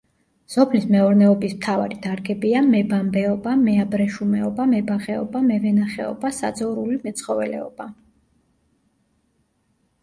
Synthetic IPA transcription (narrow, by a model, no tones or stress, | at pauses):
sɔpʰlismɛɔɾnɛɔbismt̪ʰava̰ɾid̪aɾɡɛbiamɛbambɛɔbamɛabɾɛʃumɛɔbamɛbaχɛɔ̰bamɛvɛnaχɛ̰ɔ̰basa̰d̪zɔɾulimɛt̪sʰχɔvɛ̰lɛ̰ɔb̥a